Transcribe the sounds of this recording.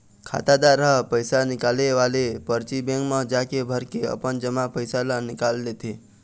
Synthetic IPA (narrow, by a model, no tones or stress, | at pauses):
kʰa̰t̪ad̪aɾəɦəpəjsanɪkaleʋalepəɾt͡ʃibẽŋkmə̃d͡ʒakebʱəɾkeə̰pənd͡ʒəmapəjsalanɪkalːet̪ʰe